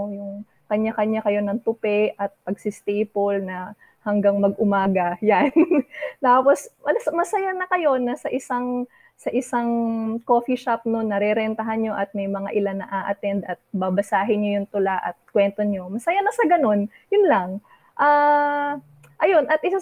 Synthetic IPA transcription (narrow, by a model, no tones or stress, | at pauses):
jʊŋ | kɐɲːakɐɲːakɐjo̞nɐŋt̪ʊpɛʔɐt̪̚pɐɡsɪst̪ejpolnɐ | hɐŋɡaŋmɐɡ̚ʔʊmaːɡɐjant̪aːpo̞smɐsmɐsɐjanɐkɐjo̞nɐsɐʔɪsaŋ | sɐʔɪsaŋko̞ːfiʃap̚nonːɐɾɛɾɛnt̪ɐɦanɲo̞ʔɐt̪̚mɐjmɐŋaʔɪlanːɐʔaʔɐt̪ɛnd̪ʔɐt̪̚bɐbɐsaːɦɪɲojʊŋt̪ʊlaʔɐ̰t̪̚kwɛnt̪oɲo̞mɐsɐjanɐsɐɡɐno̞n | jʊnlɐŋ | ʔaː | ʔɐjo̞nʔɐt̪̚ʔɪsa